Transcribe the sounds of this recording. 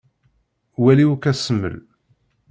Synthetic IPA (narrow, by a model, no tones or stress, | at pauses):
wæliwkːæsəmːə̰l